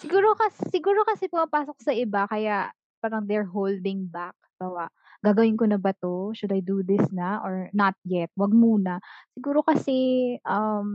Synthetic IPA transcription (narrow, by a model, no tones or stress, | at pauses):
sɪɡuːɾo̞kɐssɪɡuːɾo̞kɐsɛpɐŋɐpaːsoksɐʔɪbakɐjaʔ | paːɾɐŋd̪ɛɹɦowld̪ɪŋbak̚bawaʔ | ɡ̥aːɡɐwɪnkonɐbɐt̪oʃʊd̪ɐjd̪ud̪ɪsnɐʔoɹnɐt̪̚jɛt̪̚wɐɡ̚muːnɐsɪɡuːɾo̞kɐsɛʔɐm